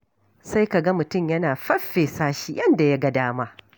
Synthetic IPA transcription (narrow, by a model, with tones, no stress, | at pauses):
sa˦jka˨ɡɐ˦mʊ˨tʊ˦˨mjɐ˦naː˨ɸɐ˦ɸːeː˨saː˦ʃiː˨jɐ˦nda˨ja˦ɡɐ˦daː˦maː˦